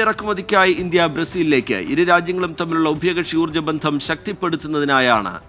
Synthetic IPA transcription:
irɐkːumɐðikʲːaːjiʔind̪jɐbɾɐsiːlile̞ːkʲːɨ̰ʔiɾuɾaːd͡ʑjɐŋːɐɭumt̪ɐmːiluɭːɐubʱijoːɣɐʂjuːrd͡ʑɐbɐnd̪ʱɐmɕɐk̚t̪ipːe̞ɽut̪ːunːɐðinaːja̰ːɳɨ̰

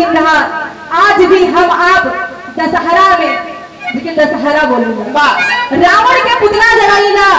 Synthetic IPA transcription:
ɾəɦa | ad͡ʒbʱiɦəmab | d̪əsəɦaɾamẽ | d͡ʒked̪əsəɦaɾaboləlbaɾaʋəɽkeput̪lad͡ʒəɽaila

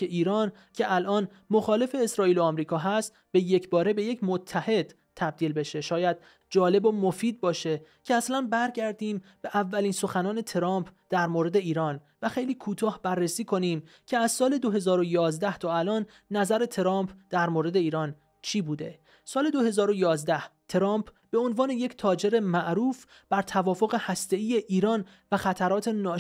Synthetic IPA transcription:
eʔiːɾɒːn | cʰe̞ʔælʔɒːn | moxɒːle̞fe̞ːsɾɒːiːloɒːmɾiːkʰɒːɦæst̪ | b̥e̞je̞cʰbɒːɾe̞be̞je̞cʰmot̪ʰːæhe̞d̪̥ | t̪ʰːæb̚d̪iːlbe̞ʃe̞ʃɒːjæd̪̥̚ | d͡ʒɒːle̞bomofiːd̪̚bɒːʃe̞ | cʰeæslænbæɾɟæɾd̪iːmb̥e̞ʔævːæliːnso̞xænɒːne̞t̪ʰeɾɒːmpʰd̪̥æɾmoɾe̞d̪e̞iːɾɒːn | væxe̞jliːkʰuːt̪ʰɒːhbærːesiːkʰo̞niːm | cʰe̞æzsɒːle̞d̪oɦe̞zɒːɾojɒːzd̪æht̪ʰɒːælɒːnː | æzæɾe̞t̪ʰeɾɒːmpʰd̪̥æɾmoːɾe̞d̪e̞iːɾɒːn | t͡ʃʰiːbuːd̪e̞ | sɒːle̞d̪o̞he̞zɒːɾojɒːzd̪æht̪ʰeɾɒːmpʰ | b̥e̞o̞nvɒːne̞je̞cʰt̪ʰɒːd͡ʒe̞ɾe̞mæʔɾuːf | b̥æɾt̪ʰævɒːfoɣehæst̪e̞iːje̞ʔiːɾɒːn | væxæt̪ʰæɾɒːt̪ʰe̞nɒː

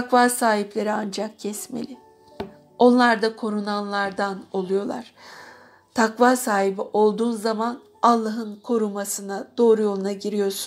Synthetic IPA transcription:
t̪ʰakvaːsaːhiplʲe̞ɾiand͡ʒak̚cʰɛsmḛlʲɪ | o̞nlˠaɾd̪akʰo̞ɾunanlˠaɾd̪ano̞lˠujo̞lˠa̰ɾ̥ | t̪ʰakvaːsaːhibiʔo̞lˠd̪uːnzaman | alˠːaɦɯnkʰo̞ɾumasɯnad̪̥o̞ːɾujo̞lˠunaɟiɾijo̞ɾsu̥

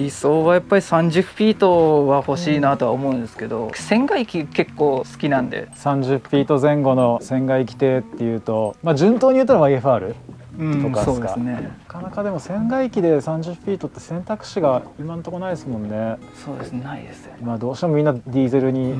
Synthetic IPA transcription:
iso̞ːβajapːaɾʲisãɲ̟d͡ʑɨpʲːiːt̪o̞βaho̞ɕiːnat̪o̞βaomo̞ɯ̟̃nd̪e̞sɨ̥ke̞d̪o̞̰sẽ̞ŋɡaikʲike̞kːo̞ːsɨ̥kʲinãnd̪e̞̰sãɲ̟d͡ʑɨpʲːiːt̪o̞zẽ̞ŋɡo̞no̞sẽ̞ŋɡaikʲi̥t̪e̞t̪ːe̞jɯ̟ːt̪o̞mad͡ʑɨ̃nt̪o̞ːɲ̟ijɯ̟t̪ːaɾaβaɡe̞ɸɯ̟aɾɯ̟ | ɯ̃t̪o̞kasoːsɨd̪kea̰sɨne̞akanakad̪e̞mo̞sẽ̞ŋɡaikʲid̪e̞sãɲ̟d͡ʑɨpʲːiːt̪o̞t̪ːe̞sẽ̞nt̪akɯ̟̥ɕiɡainant̪o̞konaid̪esɨmõ̞nːe̞ | so̞ːd̪e̞sɨnenaḭd̪e̞sɨ̥eimad̪o̞ːɕi̥t̪emomĩnːad̪ʲiːzeɾɯ̟ɲ̟i

